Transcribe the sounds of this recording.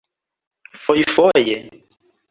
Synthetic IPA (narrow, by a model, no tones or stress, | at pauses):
fɔifɔjɛ